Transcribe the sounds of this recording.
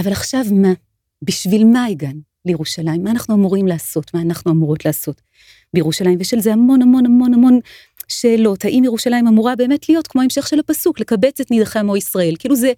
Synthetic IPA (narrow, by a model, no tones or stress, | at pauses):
avalaχʃavma | biʃvilmaiɡan | lejeʁuʃalajimːaːnaχnuamuʁimlaːso̞tmaːnaχnuamuʁo̞tlaːso̞t | bejʁuʃalaimveʃelzehamo̞namo̞namonamo̞n | ʃe̞ːlo̞thaʔimjeʁuʃalajimamuʁabe̞ːme̞tlijo̞tkmoaemʃe̞χʃe̞lapasukle̞kabe̞t͡setnidaχemoisʁae̞lkiiːluze